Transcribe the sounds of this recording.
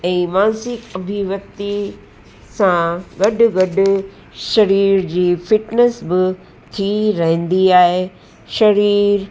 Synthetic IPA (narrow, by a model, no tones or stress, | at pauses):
ɛ̃ːmaːnsɪkɐbʱiʋɐkt̪i | sãɡɐɖʊ̆ɡɐɖʊ̆ | ʃɐɾiːɾd͡ʑiːfɪʈnesbɪ | t̪ʰiɾɐɦə̃nd̪iaːɦe | ʃɐɾiːɾ